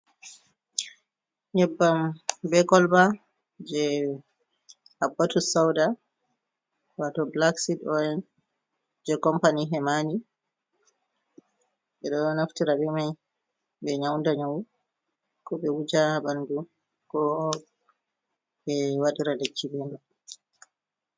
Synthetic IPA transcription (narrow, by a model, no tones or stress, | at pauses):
ɲɛbːambɛkɔlba | d͡ʒɛ | habːatusawda | watɔblaksitɔjɛn | d͡ʒɛkɔmpaniɦɛmani | ɓɛɗɔnaftiɾabɛmaj | bɛɲawndaɲaw | kɔbɛwud͡ʒabandu | kɔ | ɓɛwaɗiɾalet͡ʃːibɛna